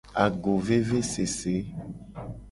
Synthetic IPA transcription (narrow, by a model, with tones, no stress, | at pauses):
a˨ɡo˨ve˦ve˦se˨se˨˦